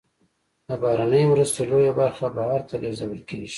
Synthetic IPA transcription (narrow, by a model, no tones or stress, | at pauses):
labɑhɾanəjmɾust̪elojabaɾxabahɑɾt̪aleɾzawəlkeɡi̥